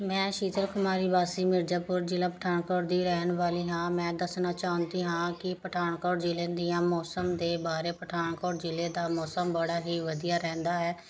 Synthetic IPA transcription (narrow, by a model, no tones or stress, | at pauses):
mɛ̃ːʃiːt̪əɾkʊmaːɾiːbaːsiːmɪɾd͡ʒaːpʊɾd͡ʒɪlãːpəʈʰaːɳkɔːɽd̪iːɾɛːənʋaːliːɦãːmɛ̃ːd̪əsnaːt͡ʃaːʊ̃nd̪iːɦãːkɪpəʈʰaːɳkɔːɽd͡ʒɪlẽːd̪ijãːmɔːsəmd̪eːbaːɾeːpəʈʰaːɳkɔːɾd͡ʒɪlẽːd̪aːmɔːsəmbəɽaːɦiːʋəd̪ijaːɾɛ̃ːnd̪aːɦɛː